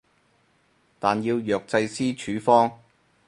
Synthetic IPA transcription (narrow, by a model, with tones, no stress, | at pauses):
t̪aː˨˩njiː˧wjœː˨k̚t͡sɐ˧jsiː˥t͡ʃʰyː˨˥fɔː˥ŋ